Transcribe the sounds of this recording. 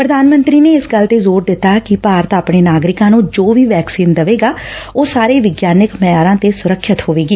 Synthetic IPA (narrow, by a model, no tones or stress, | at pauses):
pɾəd̪aːnmə̃nt̪ɾiːneːɪsɡəlt̪eːzoːɾd̪ɪt̪ːaːkɪpaːɾət̪aːpɽɳeːnaːɡɾɪkãːnũːd͡ʒoːʋiːʋɛːksiːnd̪əʋeːɡaːoːsaːɾeːʋɪɡjaːnɪkməjaːɾãːt̪eːsʊɾəkʰʃət̪ɦoːʋeːɡiː